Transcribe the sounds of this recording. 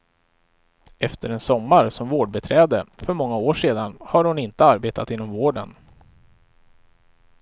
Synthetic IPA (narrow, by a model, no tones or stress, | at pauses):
ɛft̪əɾɛnsɔmːaɾsɔmvoːɖbɛt̪ʰɾɛːd̪əfœɾmɔŋːaoːʂeːd̪anhaɾhʊnɪnt̪əaɾbeːt̪ʰat̪ɪnːɔmvoːɖə̰n